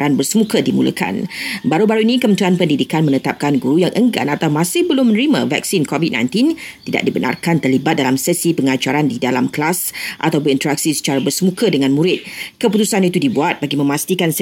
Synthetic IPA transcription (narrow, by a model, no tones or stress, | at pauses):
ɾanbərsəmukədimṵlə̰kʰa̰nbaɾubaɾuinikəmənt̪uanpəndidikanmənət̪ap̚kanɡuɾujaŋʔəŋɡa̰nat̪awmãsɪhbəlʊmənəɾima̰va̰ksinkovid̚nã̰jnt̪int̪ida̰ʔ̚dibənʔa̰rkant̪ərlibat̪̚dalamsɛsipəŋat͡ʃaɾandidalamkəlasʔa̰t̪awp̬ʊnint̪əɾak̚sisə̥t͡ʃaɾabərsəmukədəŋãnmuɾɪt̪̚kəput̪usanit̪udibuat̪̚baɡimə̃mast̪ikans